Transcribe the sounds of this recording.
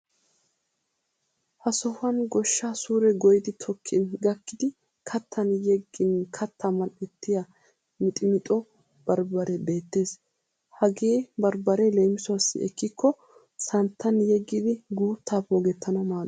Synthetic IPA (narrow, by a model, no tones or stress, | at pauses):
hɐsɔhʊɐnɡɔʃːasuːɾɛɡɔjɪd̪ɪt̪ʰɔkʰːɪnɡɐkːɪd̪ɪ | kʰɐt̪ːɐnjɛɡːɪnkʰɐt̪ʰːɐmɐnɛt̪ːɪjɐ | mɪt̪ʼɪmɪt̪ʼɔ | b̥ɐɾbɐɾɛbe̞ːt̪ːe̞ːs | hɐɡeːbɐɾbɐɾɛlejmɪsʊɐsːɪ̰ɛ̰kːɪkʰːɔ | sɐnt̪ʰːɐnjɛɡːɪd̪ɪɡuːt̪ʰːaːpoːɡɛt̪ʰːɐnɐmaː